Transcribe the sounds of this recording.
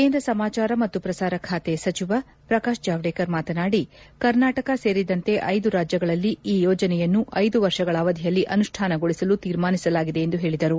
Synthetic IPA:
ke̞ːnd̪ɾɐsɐmaːt͡ʃaːɾɐmɐt̪ːupɾɐsaːɾɐkʰaːt̪e̞sɐt͡ʃiʋɐ | pɾɐkaːʃd͡ʒaːʋɽeːkɐɾmaːt̪ɐnaːɽikɐɾnaːʈɐkɐse̞ːɾid̪ɐnt̪e̞ʔɐjd̪uɾaːd͡ʒjɐɡɐɭɐlːiiːjɔːd͡ʒɐnɛjɐnːuʔɐjd̪uʋɐɾʂɐɡɐɭaːʋɐd̪ʱijɐlːiʔɐnuʂʈʰaːnɐɡoɭisɐlut̪iːɾmaːnisɐlaːɡid̪e̞ːnd̪uɦe̞ːɭid̪ɐɾu

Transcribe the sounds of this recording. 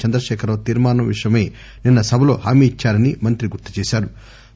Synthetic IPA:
t͡ʃɐnd̪ɾɐʃɛːkʰɐɾoːt̪iːɾmaːnɐʋiʂɐjɐme̞ː | ninːɐsɐbʱɐlo̞ːɦaːmiːit͡ʃːaːɾɐnimɐnt̪ɾiɡuɾt̪ːi̥t͡ʃeːʃaːɾu

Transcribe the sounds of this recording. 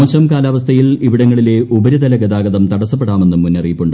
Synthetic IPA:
oːɕɐmkaːlaːʋɐst̪ʰɐjiliʋiɽɐŋːɐɭile̞ʔubɐɾid̪ɐlɐɡɐd̪aːɡɐðɐmt̪ɐɽɐsɐp̬ːeɽaːme̞nːumːunːɐrijipːuɳɖɨ

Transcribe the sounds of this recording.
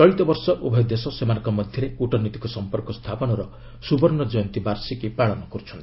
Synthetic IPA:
t͡ʃɔɭit̪ɔbɔɾsɔʔubʱɔjɔd̪esɔsemanɔŋkɔmɔd̪ʱjɔɾeuʈɔnit̪i̥kɔsɔmpɔɾkɔst̪ʰapɔnɔɾɔ | subɔɾnɔd͡ʒɔjɔnt̪ibaɾsikipaɭɔnɔkɔɾut͡ʃʰɔnt̪i̥

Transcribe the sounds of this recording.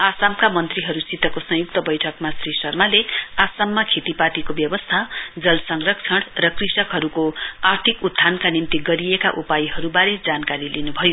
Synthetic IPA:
asamkamʌnt̪riɦʌɾusit̪ʌkosʌ̃juk̚t̪ʌbʌjʈʰʌkmasrisʌrmaleasamːakʰet̪ipat̪ikobjʌbʌst̪ʰad͡zʌlsʌŋrʌkt͡sʰʌɽrʌkrisʌkɦʌɾukoart̪ʰikud̪ʱːankanimt̪iɡʌɾiekaʔupajiɦʌɾubaɾed͡zankaɾilinubʱʌjo

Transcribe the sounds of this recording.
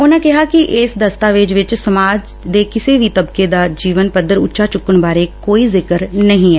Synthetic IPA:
ʊnãːkɛɦaːkɪʔɪsd̪əst̪aːʋeːd͡ʒʋɪt͡ʃsəmaːd͡ʒ | d̪eːkɪseːʋiːt̪əbked̪aːd͡ʒiːʋənpəd̪əɾʊ̰tːʃʰaːt͡ʃʊkːənbaːɾekoːiːzɪkəɾnəɦĩɦɛː

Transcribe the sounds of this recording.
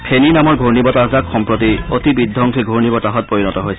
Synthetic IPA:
pʰeninamɔɹɡʱoɹnibɔtazakxɔmpɹotiotibid̪ʱːɔŋkʰiɡʱoɹnibɔtaɦɔt̚poɹinɔtɔɦojsʰɛ

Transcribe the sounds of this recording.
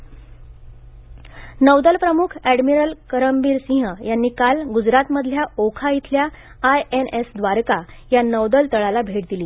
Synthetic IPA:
nəʋd̪əlpɾəmukʰæɽmiɾəlkəɾəmbiːɾsĩɦəjanːiːkalɡud͡zɾat̪məd̪ʱljaokʰait̪ʰljaː | jenesd̪ʋaɾka | janəʋd̪əlt̪əɭalabʱeʈ̚d̪iliː

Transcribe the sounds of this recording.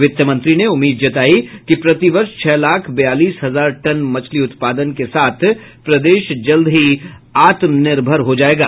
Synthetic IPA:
ʋɪt̪jəmɐ̃nt̪ɾineʊmːiːd̪d͡ʒɐt̪aːikipɾɐt̪iʋɐɾʃt͡ʃʰɛːlaːkʰbɐjaːliːsɦɐzaːɾʈɐnmɐt͡ʃʰliʊt̪paːd̪ənkesaːt̪ʰpɾɐd̪eːʃd͡ʒɐld̪ʱɦiaːt̪mnɪɾbʱəɾɦod͡ʒaːeːɡa̰ː

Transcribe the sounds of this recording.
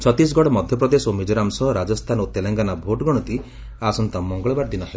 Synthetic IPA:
t͡ʃʰɔt̪is̬ɔɡɔɽɔmɔd̪ʱjɔp̬ɾɔd̪esomid͡ʒɔɾamsɔɦɔɾad͡ʒɔst̪ʰanot̪eleŋɡanabʱoʈɡɔɽ̃ɔt̪i | asɔnt̪ɔmɔŋɡɔɭɔbaɾd̪inɔɦe

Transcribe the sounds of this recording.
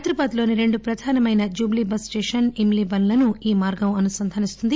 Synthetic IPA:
ɐt̪ɾubaːd̪lo̞ːniɾe̞ɳɖupɾɐd̪ʱaːnɐmɐjnɐd͡ʒuːblibɐsʈeːʂɐnimlibɐnlɐnuiːmaːɾɡɐmɐnusɐnd̪ʱɐnist̪und̪i

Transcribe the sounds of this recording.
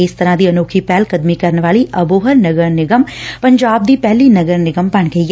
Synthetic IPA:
ɪst̪əɾãːd̪iːənoːkʰiːpɛːlkəd̪miːkəɾnʋaːliːʔəboːɦəɾnəɡəɾnɪɡəmpəɲd͡ʒaːb̚d̪iːpɛːliːnəɡəɾnɪɡəmpəɳɡəiː

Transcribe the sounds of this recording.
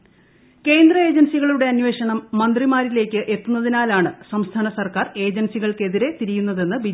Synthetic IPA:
ke̞ːnd̪rɐe̞ːd͡ʑɐnsiɣɐɭuɽe̞ɐnwe̞ːʂɐɳɐmːɐnd̪rimaːɾile̞ːkʲːɨʔe̞t̪ːunːɐðinaːlaːɳɨsɐmst̪ʰaːnɐsɐrkaːre̞ːd͡ʑɐnsiɣɐɭke̞ðiɾe̞t̪iɾijunːɐðe̞nːɨbi

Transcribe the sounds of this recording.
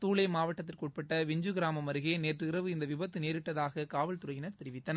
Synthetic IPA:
t̪uːɭɐɪmaːʋɐʈːɐt̪̬ːɪlkuːʈ̚pɐʈːɐʋɪɲd͡ʒɯɡɪɾaːmɐmɐɾɯɣeːneːʈrɪɾɐʋɯɪnd̪ɐʋɪbɐt̪ːɯneːɾɪʈːɐðaːɣɐkaːʋɐlt̪ʊɾɐjɪnɐɾt̪ɛɾɪʋɪt̪ːɐnɐ

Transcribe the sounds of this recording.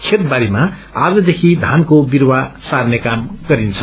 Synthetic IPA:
kʰet̪baɾima | ad͡zʌd̪ekʰid̪ʱankobirwasarnekamɡ̥ʌɾint͡sʰʌ̥

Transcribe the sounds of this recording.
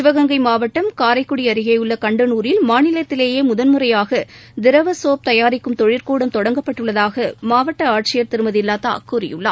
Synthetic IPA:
sɪʋɐɣɐŋɡɐɪmaːʋɐʈːɐmkaːɾɐɪkːʊɽiɐɾɪɣɐjɯɭːɐkɐɳɖɯnuːɾɪlmaːnɪlɐt̪ːɪleːjeːmʊðɐnmɯrɐjaːɣɐd̪ɪɾɐʋɐsoːp̚t̪ɐjaːɾɪkːɯmt̪ɔɻɪɾkuːɽɐmt̪ɔɽɐŋɡɐpːɐʈːɯɭːɐðaːɣɐmaːʋɐʈːɐaːʈ̚t͡ʃɪjɐɾt̪ɪɾɯmɐðɪlːaːt̪a̰ːkuːrɪjɯ̰ɭːa̰ː

